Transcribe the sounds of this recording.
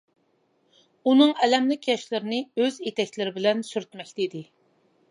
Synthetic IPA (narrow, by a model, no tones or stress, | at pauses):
unɨŋɛlɛmlɪkʲjɑʃlɨɾɪnɨɪøzet̪ʰɛkʲlɪɾɪbɪlɛnsyɾt̪mɛkʲt̪id̪ɪ